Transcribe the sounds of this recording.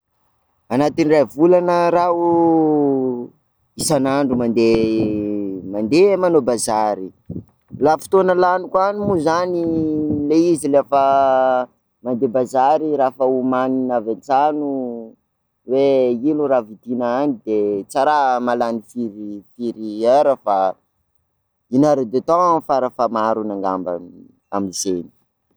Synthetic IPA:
anat̪iniravulanəɾau | isanaɳɖ͡ʐumand̪e | mand̪emanobazaɾi | lafi̥t̪onəlanukanimuzanileizilefə | mand̪ebazaɾiɾafəumaninavant͡sanu | weiluɾavid̪inaanid̪et͡saɾamalanifiɾifiɾiaɾafa | inaɾad̪et̪ɔfaɾafamaɾunaŋɡa̰mba̰n | a̰mizeni̥

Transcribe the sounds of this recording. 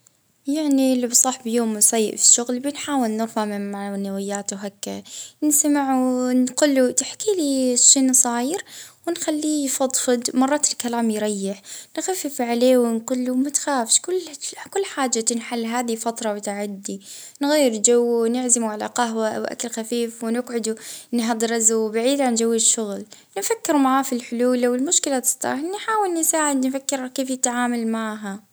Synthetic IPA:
jaʕnilːibsˤɑħbjoːmsˤɑjːɪ̰ʔfi̥ʃːʊɣlbɪnħaːwɪlnɪɣwamɪaʕnawɪjːaːt̪uɦakːansamɪʕunqʊlːut̪aħkiliʃːeːnsˤɑːjɪɾwɪnxalːiːjfɑd̪ˤfɨd̪mɑrˤːɑːt̪ɪlkalaːmjɾˤɑjːɪħnxafːɪfʕaleːwɪnqʊlːumat̪xaːfʃkʊlːkʊlːħaːd͡ʒːat̪ɪnħalːɦaːðifɑt̪ɾˤɑwʊt̪aʕad̪ːi | nɣajːɪɾd͡ʒawːwnɪʕzɪmuʕala̰qaɦwaʔawʔa̰kalxafiːfwɪnɪqʕʊd̪unɦɑd̪ˤɾˤɪzuwbaʕiːd̪ʕand͡ʒawːɪʃːʊɣl | nɪfakːɪɾmaʕaːfilħʊluːlʔawɪlmʊʃkɪlat̪ɪ̥sˤt̪ɑ̰ɾˤnħaːwɪlnɪsaːʕɪd̪nɪfakːɪɾakeːfjɪt̪ʕaːmalmaʕɦa

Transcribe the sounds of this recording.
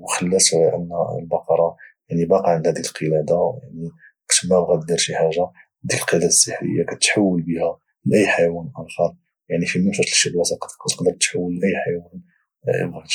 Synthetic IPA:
wxəlːæsʔə̰n̰ːlbɑqɑɾˤɑjaʕnibɑqɑʕnd̪hæd̪iəlqʰəlæd̪aja̰ʕni | kt̪mæbɣæd̪d̪iɾʃiħaʒa | d̪iləlqəlæd̪æd̪əsˤːəħɾə̰jːakæt̪ħawːəlbihæ | mlʔəjːħajwænʔænxɑɾˤ | jaʕnifiməmʃæʃlʃəbwæsɑqɑ̥t̪kæt̪ə̥qd̪əɾˤt̪ːħawːəlʔəjːħajwæn | ə̰bɣæt̪

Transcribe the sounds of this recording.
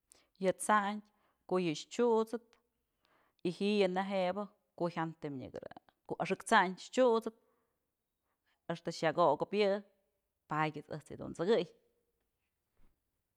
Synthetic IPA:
jɨt͡saɲtʲ | koʔjɨʃt͡ʃut͡sɨt̪̚ | ihijɨnaɦebɨ | koçʲant̪ɨmɲḭɡɨɾɨ̰ | koʔaʂɨkt͡saɲʃt͡ʃut͡sɨt̪̚ | eʂt̪ɨʃjaɡoʔɡɨpjɨ | pajʲɨt͡sɨ̰ht͡sjɨ̰d̪ṵnt͡sɨɡɨj

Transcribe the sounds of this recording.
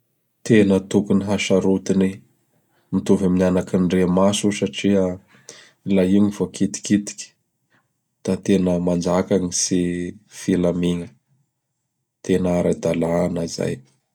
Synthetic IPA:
t̪enət̪ukuniɦaʃaɾut̪ini | mit̪uvaminanakinɖ͡ʐemasusaʈ͡ʂiə | laiɲivokʰit̪i̥kit̪i̥kʲi̥ | d̪̥at̪enəmand͡ʒakaŋisifilamiŋə | t̪enəaɾad̪alanaiza̰j

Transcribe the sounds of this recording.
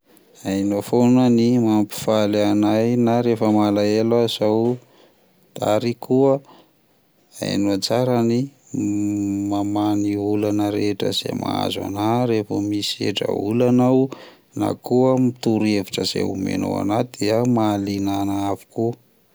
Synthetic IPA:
ajnofonanimampi̥falanajnaɾefəmalaelaz̥aw | d̪̥aɾikʰuə | a̰jnuat͡saɾani | mamaniulanəɾeʈ͡ʂə̰z̥ḛmʔa̰a̰zwa̰naɾefəmisiḛʈ͡ʂə̰ulanaw | na̰kuəmit̪uɾeviʈ͡ʂəz̥ḛṵmḛno̰a̰nat̪d̪iamalinanaavi̥ku

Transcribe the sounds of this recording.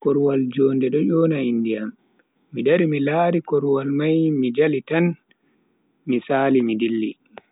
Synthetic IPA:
kɔɾwald͡ʒɔːndɛɗɔjɔːnaindijamː | idaɾimilaːɾikɔɾwalmajmid͡ʒalitan | misaːlimidilːi

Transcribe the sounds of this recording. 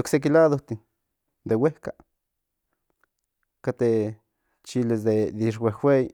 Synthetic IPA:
oksek̬ilad̪ot̪i | d̪eweka | kat̪e | t͡ʃilezd̪ed̪iʂ̬wexwʷej

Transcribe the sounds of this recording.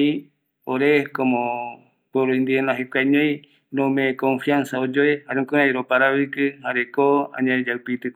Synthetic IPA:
i | oɾekomõ | poɾoind̪ienaɦekʷaɲõj̃ | nõmẽkõɱfiansaod͡ʒoehaɾekoɾajɾopaɾaβikɨhaɾekoã̰ɲãd͡ʒawpit̪ɨ

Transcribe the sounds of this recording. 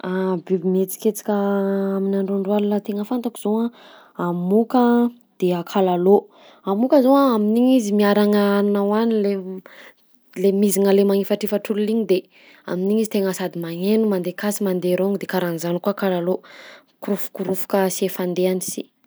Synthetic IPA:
abibimet͡si̥ket͡si̥kʲəaminaɳɖ͡ʐoɳɖ͡ʐualunət̪eŋəfant̪akuz̥owa | amukə | d̪̥eakʰalalo | amukəzowaaminiɲizimiaɾaŋanawanile | lemiziŋəlemaŋifaʈ͡ʂifaʈ͡ʂululiɲid̪e | a̰miniɲizit̪eŋəsad̪imaŋenumand̪ekasimand̪eɾoŋid̪ekaɾanizanikuakalalo | kuɾufu̥kuɾufu̥kəsiefand̪eanisḭ

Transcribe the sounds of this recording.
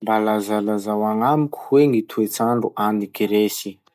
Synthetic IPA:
mbalazalazawaŋamukʲu̥weŋit̪ʰuet͡saɳɖ͡ʐuʔanikiɾesi

